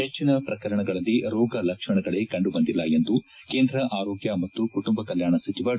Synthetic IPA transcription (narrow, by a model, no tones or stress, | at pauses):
et͡ʃːinɐpɾɐkɐɾɐɳɐɡɐɭɐlːiɾɔːɡɐlɐkʂɐɳɐɡɐɭe̞kɐɳɖubɐnd̪ilːɐjend̪u | ke̞ːnd̪ɾɐʔaːɾoːɡjɐmɐt̪ːukuʈumbɐkɐljaːɳɐsit͡ʃiʋɐ